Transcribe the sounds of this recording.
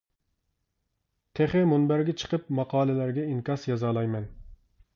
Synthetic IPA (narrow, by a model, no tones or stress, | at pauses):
t̪ʰeχɪmunbæɾɡʲɛt͡ʃʰə̥qʰəp̚mɑqʰɑːlˠɪlæɾɡʲɛiŋkʲɑsjɑzɑːlˠɑjmɛn